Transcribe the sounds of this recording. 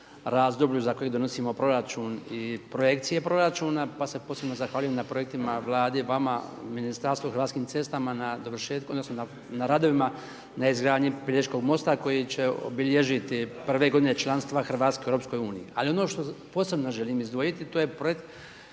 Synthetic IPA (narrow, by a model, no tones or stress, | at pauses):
ɾaːzd̪obʎuzako̞jeɡd̪o̞no̞siːmo̞pɾo̞ɾat͡ʃuːnipɾoje̞kt̪sije̞pɾo̞ɾat͡ʃuːnapase̞po̞ːse̞bno̞zaxʋaːlujemnapɾo̞je̞k̚t̪imaʋlˠaːd̪eʋama̰minist̪aɾst̪ʋoxr̩ɾʋaːt̪skiːmt̪se̞st̪amanad̪oʋr̩ʃeːt̪kod̪nosnona | naɾad̪o̞ʋima | naizɡɾaːd̪ɲiplʲeit͡ʃko̞ɡmo̞st̪ako̞jit͡ɕe̞o̰biʎeʒit̪ipr̩ʋe̞ɡo̞d̪ine̞t͡ʃlˠanst̪ʋaxr̩ʋaːt̪skeeɾopsko̞juːnijia̰lio̞no̞ːʃt̪opo̞se̞bno̞ʒe̞liːmizd̪ʋojit̪it̪oːje̞pɾojekt̪